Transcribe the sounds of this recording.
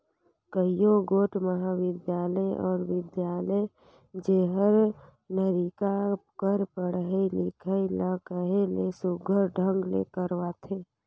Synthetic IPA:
kəijõɡoːʈməɦaʋɪd̪jaːləʔɔːɾʋɪd̪jaːləe | d͡ʒeɦəɾ | nəɾikakəɾpəɽɦilɪkʰəiləkəɦelesʊɡʱəɾɖʱə̃ŋɡlḛkəɾwat̪ʰẽː

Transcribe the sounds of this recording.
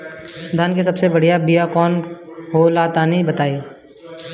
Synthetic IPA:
d̪ʱankes̬ɐbsebɐɽ̤ijabijakɔːnɦolat̪anĩbɐt̪aːi

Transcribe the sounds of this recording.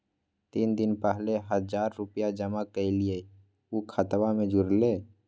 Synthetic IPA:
t̪iːnd̪ɪnpɛɦleɦəd͡ʒaːɾːʊpjad͡ʒəmakəilie | ukʰət̪wamẽd͡ʒʊɾleː

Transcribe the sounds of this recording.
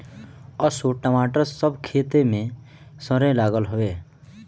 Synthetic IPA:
əsoʈəmaːʈəɾsəbkʰeːt̪emẽ | səɾẽlaːɡəlɦoe

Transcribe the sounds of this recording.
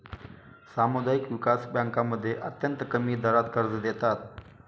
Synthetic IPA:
samud̪aikʋɪkasbãŋkaməd̪ʱːjeʔət̪jənt̪əkəmiːd̪əɾat̪̚kəɾd͡zd̪et̪at̪̚

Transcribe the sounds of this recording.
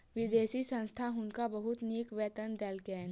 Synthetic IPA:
ʋɪd̪eːsisə̃nst̪ʰaɦʊnkabɐɦʊt̪niːkʋɛːt̪ənd̪ɛːlkɛːn

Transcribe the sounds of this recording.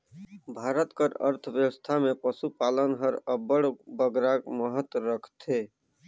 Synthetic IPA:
bʱaːɾət̪kəɾə̰ɾt̪ʰəʋjəwəst̪ʰamepəsupalənɦəɾəbəɽbəɡɾakməɦət̪wɾəkʰt̪ʰe

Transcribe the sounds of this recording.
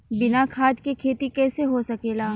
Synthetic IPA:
bɪnakʰaːd̪kekʰeːt̪ikɛːseɦosɐkeːlaː

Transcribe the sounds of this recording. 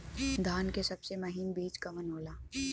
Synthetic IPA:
d̪ʱaːnkesɐbsemɐɦimbeːt͡ʃkɐmənɦoːlaː

